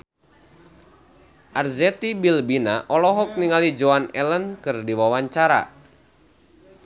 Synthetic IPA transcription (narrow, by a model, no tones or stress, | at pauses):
ʔarzɛt̪ibilbinaʔɔlɔɦɔk̚niŋalid͡ʒɔanɛlənkɨrdiwawaɲt͡ʃaɾa̰